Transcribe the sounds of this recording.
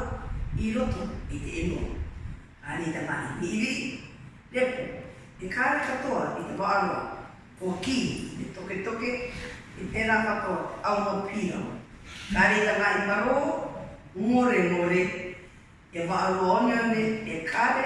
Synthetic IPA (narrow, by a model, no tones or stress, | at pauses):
iɾotoeteʔenua̰ | kaːɾejtama̰ʔimiʔiɾiʔi | ɾepo | ekʰʼaɾekatoaitevaʔaɾua | kokitetoketokeepʰeɾapakoawmapʰina̰wkaːɾejtamaʔimaɾoː | moɾemoɾeː | vaʔaɾuaoneameekʼaɾe